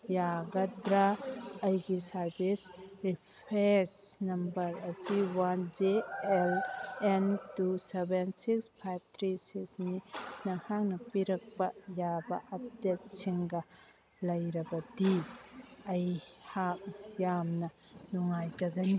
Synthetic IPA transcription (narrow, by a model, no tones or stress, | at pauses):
jaɡɐdɾaɐjɡisɐɾbisɾipʰesnɐmbɐɾɐsiwand͡ʒeelentusebensikspʰajb̚t̪ʰɾisiksninɐhak̚nɐpiɾɐk̚pɐjabɐʔɐp̚det̚siŋɡɐ | lɐjɾɐbɐdi | ɐjhak̚jamnɐ | nuŋajd͡ʒɐɡɐni